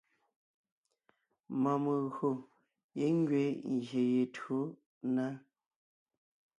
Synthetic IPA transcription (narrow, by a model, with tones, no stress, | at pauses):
mɔ˨mə˨ɣɰo˨ | je˦ŋ˦ɡɥe˨˦ŋ˨ɣje˨je˨to˨˦ | na˦